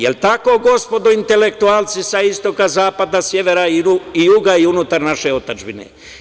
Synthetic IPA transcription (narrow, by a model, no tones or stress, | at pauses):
jelt̪ako̞ːɡo̞spo̞d̪oint̪e̞lek̚t̪uaːlt̪sisaist̪o̞kazaːpad̪asjeʋeɾaiijuɡaiunut̪aɾnaʃe̞ot̪ad͡ʒbinḛ